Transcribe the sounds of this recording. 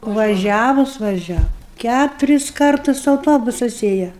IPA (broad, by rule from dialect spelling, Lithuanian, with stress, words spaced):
ʋɐˈʒʲæːʋʊs ʋɐˈʒʲæːʋʊ ˈkʲætʊrʲɪs ˈkɐrtʊs ɐʊˈtoːbʊsɐs ˈeːjɛ